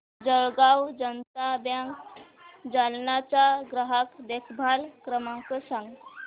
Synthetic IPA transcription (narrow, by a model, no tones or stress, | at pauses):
d͡ʑəɭɡawd͡ʑənt̪abjãŋk | d͡zalnat͡ɕaɡɾəɦakd̪ekʰbʱalkɾəmãkəsãŋɡ